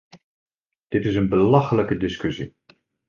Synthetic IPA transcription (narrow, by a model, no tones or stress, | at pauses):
d̥ɪtɪsənbəlɑχələkədɪskɵsi